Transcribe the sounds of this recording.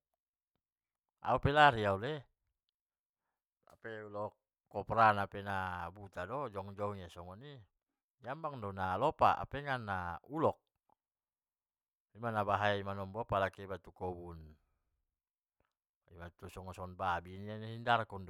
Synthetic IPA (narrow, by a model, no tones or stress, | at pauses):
a̰upɛlaɾiaule | a̰peulɔkː | ɔpɾanapenabut̪adɔd͡ʒɔŋd͡ʒɔŋasɔŋɔni | d͡ʒambaŋdɔnalɔpaʔa̰pɛŋanːaulɔk̚ | imanabaɦajaimanɔmbɔpalakebat̪ukɔbun | ḭbat̪usɔŋɔsɔnbabinianɦindaɾakund